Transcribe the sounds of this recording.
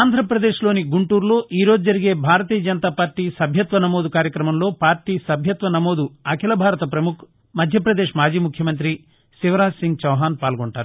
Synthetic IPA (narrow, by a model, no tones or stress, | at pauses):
aːnd̪ʱɾɐpɾɐd̪e̞ːʃlo̞ːniɡuɳʈuːɾlo̞ːʔiːɾo̞ːd͡ʒud͡ʒɐɾiɡe̞ːbʱaːɾɐt̪̬iːjɐd͡ʒɐnɐt̪aːpaːɾʈːiːsɐbʱjɐt̪ʋɐnɐmo̞ːd̪ukaːɾjɐkɾɐmɐmlo̞ːpaːɾʈiːsɐbʱjɐt̪ʋɐnɐmo̞ːd̪uɐkʰilɐbʱaːɾɐt̪ɐpɾɐmukʰ | mɐd̪ʱjɐpɾɐd̪e̞ːʂmaːd͡ʒiːmukʰjɐmɐnt̪̬ɾi | siʋɐɾaːsiŋɡt͡ʃɐwɦaːnpaːlɡɔɳʈaːɾu